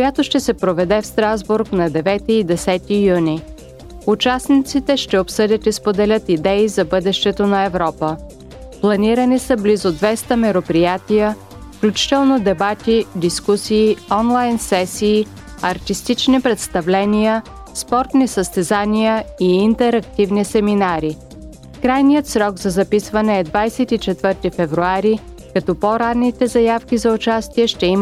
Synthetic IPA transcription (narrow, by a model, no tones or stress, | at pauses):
kojat̪oʃt̪ɛsɛpɾovɛd̪ɛfst̪ɾazbuɾknɐd̪ɛvɛt̪iːd̪ɛsɛt̪ijuni | ut͡ʃasnit̪sit̪ɛʃt̪ɛopsɤd̪ʲət̪ispod̪ɛlʲət̪id̪ɛizɐbɤd̪ɛʃt̪ɛt̪onɐɛvɾɔpə | plˠɐniɾənisəblizod̪vɛst̪əmɛɾopɾijat̪ijə | fklʲut͡ʃi̥t̪ɛlˠnod̪ɛbat̪id̪iskusiːɔnlˠajnsɛsiː | ɐɾt̪ist̪it͡ʃnipɾɛt̪st̪ɐvlɛnijə | spɔɾt̪nisəst̪ɛzanijəiːnt̪ɛɾɐk̚t̪ivnisɛminaɾi | kɾajnijət̪sɾɔɡzɐzɐpisvɐnɛːd̪vajsɛt̪it͡ʃɛt̪vɤɾt̪ifɛvɾuaɾi | kɐt̪ɔpoɾanːit̪ɛzɐjafkʲizɐʊt͡ʃast̪iɛʃt̪ɛim